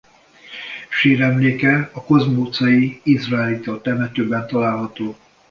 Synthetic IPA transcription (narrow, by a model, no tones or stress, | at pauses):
ʃeːɾɛmleːkɛɒkozmoːt̪sɒjiizraɛlit̪olt̪ɛmɛt̪øbɛnt̪ɒlaːlɦɒt̪oː